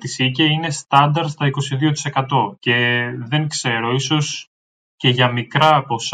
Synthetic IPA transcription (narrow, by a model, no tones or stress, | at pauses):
t̪isiceine̞st̪ɐnd̪ɐɾt̪st̪ɐiko̞siðio̞t̪i̥se̞kɐt̪o̞ce̞ðe̞ŋkse̞ɾo̞iso̞s | ce̞ʝɐmikɾɐpo̞s